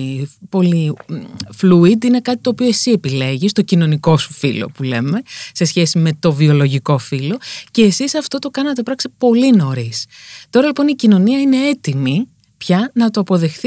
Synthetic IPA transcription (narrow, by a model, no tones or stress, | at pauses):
po̞li | fluid̪ine̞kɐt̪i̥t̪o̞ːpio̞esie̞pile̞ʝist̪o̞cino̞niko̞su̥filo̰pule̞̰me̞se̞sçe̞sime̞t̪o̞vio̞lo̞ʝiko̞filo̞ce̞ːsisɐft̪o̞t̪o̞kɐnɐt̪epɾɐkst̪epo̞lino̞ɾist̪o̞ɾɐlipo̞nicino̞niɐine̞e̞t̪imi | pçɐnɐt̪oɐpo̞ðe̞xθi